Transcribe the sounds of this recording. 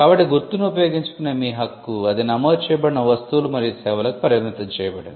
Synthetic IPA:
kaːbɐʈːiɡuɾt̪unuupɐjoːɡiɲt͡ʃu̥kunːɐmiːɦɐkːuɐd̪inɐmoːd̪ut͡ʃɛːjɐbɐɽinɐʋɐst̪ulumɐɾijisɛːʋɐlɐku̥pɐɾɐjɐt̪mit̪ɐɲt͡ʃɛːjɐbɐɽɐnd̪i

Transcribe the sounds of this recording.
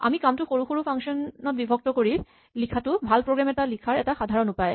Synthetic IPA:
a̰mikamtʊxoɹuxoɹupʰaŋʃɔnːɔt̚bibʱɔk̚tɔkoɹi | likʰatʊbʱalpɹoɡɹamɛtalikʰaɹɛtaxadʱaɹɔnupae

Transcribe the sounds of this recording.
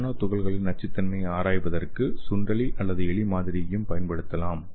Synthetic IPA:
nɐt̪ʊɣɐɭɣɐɭɪnɐʈ̚t͡ʃːɪt̪ːɐnmɐɪaːɾaːjpɐðɐrkɯsʊndrɐɭiʔɐlːɐðɯɛɭimaːðɪɾɪjɐjɯmpɐjɐnpɐɽɯt̪ːɐlaːm

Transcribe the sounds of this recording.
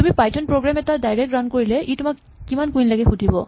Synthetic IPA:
tumipajtʰɔnpɹoɡɹamɛtadajɹɛk̚ɹankoɹilɛʔitʊmakː | imankuinlaɡɛxudʱibɔ

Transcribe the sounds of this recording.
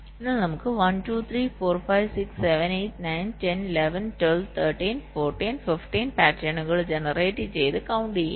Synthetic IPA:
ɪnːanɐmɯkːɯʋɐnʈuːt̪ʰɾiːfoːɾfaɪʋsɪksːɛʋɛneɪʈnaɪnʈɛnɪlɛʋɛnʈwɛlʋt̪ʰɐːɾʈiːnfoːɾʈiːnfɪfʈiːnpæːʈɾɐnɐɡɐɭd͡ʒɛnɐɾeːʈit͡ɕejðɯkɐwʊɳɖḭ

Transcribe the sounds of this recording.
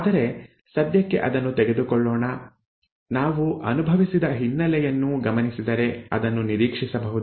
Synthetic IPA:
aːd̪ɐɾe̞ | sɐd̪jɐkːe̞̰ʔɐd̪ɐnːut̪ɛɡe̞d̪ukɔɭːɔːɳɐ | naːʋuʔɐ̰nubʱɐʋisid̪ɐɦinːɐlɛjɐnːuɡɐmɐnisid̪ɐɾe̞ɐ̰d̪ɐnːuniɾiːkʂisɐbɐɦud̪i

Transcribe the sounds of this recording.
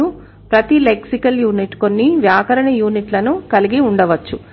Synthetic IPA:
u | pɾɐt̪ileksikɐljuːniʈko̞nːiʋjaːkɐɾɐɳɐjuːniʈlɐnukɐliɡiuɳɖɐʋɐt͡ʃːu

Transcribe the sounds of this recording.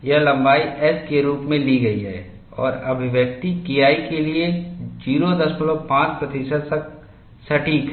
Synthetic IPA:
jɐɦlɐ̃mbaːiʔɛskeɾuːpmẽliɡɐiɦɛ̰ː | ɔ̰ːɾɐbʱɪʋjək̚t̪ikijaːikelied͡ʒiːɾod̪ɐsmɪlopãːt͡ʃpɾɐt̪isəd̪sɐk̚ | sɐʈʰiːkɦ

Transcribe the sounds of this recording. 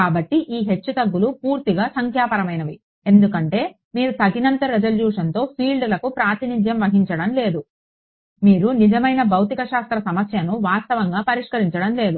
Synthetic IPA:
kaːbɐʈːiʔiːɦe̞t͡ʃːut̪ɐɡːulupuːɾt̪iɡaːsɐŋkʰjaːpɐɾɐmɐjnɐʋi | e̞nd̪ukɐɳʈe̞ː | miːɾut̪ɐd̪inɐnt̪ɐɾed͡ʒɐljuːʂɐnt̪o̞ːpʰiːlɖlɐkupɾaːt̪inid̪jɐmʋɐɦiɲt͡ʃɐɽɐmle̞ːd̪u | miːɾunid͡ʒɐmɐjnɐbɐwt̪ikɐʃaːst̪ɾɐsɐmɐsjɐnuʋaːst̪ɐʋɐŋɡaːpɐɾiʂkɐɾiɲt͡ʃɐɽɐmle̞ːd̪u

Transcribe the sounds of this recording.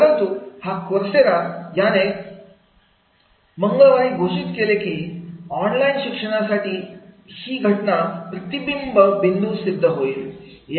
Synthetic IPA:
ɾənt̪uːhakoɾseɾajane | məŋɡəɭʋaiːɡʱoɕit̪kelekiːɔnlainɕikʂəɽ̃asaʈiːhiːɡʱəʈnapɾət̪ibimbʱəbind̪ʱusid̪ʱːəɦoil | j

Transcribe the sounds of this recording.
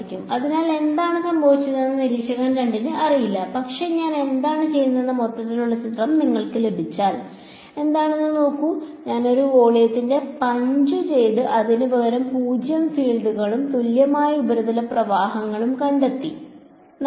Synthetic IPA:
kʲːumɐðinaːle̞nd̪aːɳɨsɐmbʱɐʋit͡ɕːɨnenːɐniɾiːkʂɐɣaːnkɐɳɖiɲːɨɐrijilːɐpɐkʂe̞ɲaːne̞nd̪aːɳɨt͡ɕe̞jːunːɐðenːɐmo̞t̪ːɐt̪ːiluɭːɐt͡ɕit̪rɐmniŋːɐɭkɨle̞bʱit͡ɕːaːl | e̞nd̪aːɳe̞nːɨno̞ːkːuɲaːno̞ɾuo̞ːɭijɐt̪ːinde̞pɐɲd͡ʑɨt͡ɕe̞jɽɨʔɐðinɨʋɐɣɐɾɐmpuːd͡ʑjɐmfiːɭɖuɣɐɭumt̪uljɐmaːjɐubɐɾuðɐlɐprɐʋaːɦɐŋːɐɭumkɐɳɖet̪ːi

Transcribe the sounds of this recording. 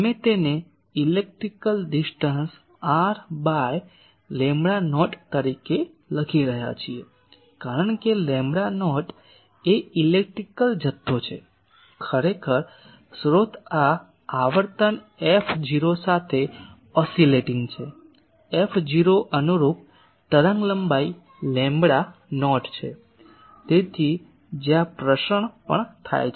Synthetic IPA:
əmet̪ene | ilek̚ʈɾikəlɖisʈəns | aɾbaj | lɛ̃mbɽanɔʈt̪əɾike | ləkʰiɾəɦja̰t͡ʃʰie | kaɾəɳ̃kelẽmbɽanɔʈ | eilek̚ʈɾikəld͡ʒət̪ʰːot͡ʃʰḛ | kʰəɾekʰəɾ | sɾot̪ʰaː | ʋəɾt̪ən | efd͡ʒiɾosat̪ʰe | ɔsileʈiŋɡt͡ʃʰe | efʰd͡ʒiɾoʔənuɾup̚ | t̪əɾəŋɡləmbai | lɛ̃mbɽanɔʈt͡ʃʰḛ | t̪et̪ʰi | d͡ʒjãpɾəʃəɳpə̰ɳt̪ʰa̰jt͡ʃʰ

